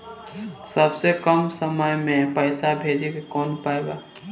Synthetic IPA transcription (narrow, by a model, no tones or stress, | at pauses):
səbsekəmsəməjmẽpəɪsabʱeːd͡ʒikekɔːnpaeɡaː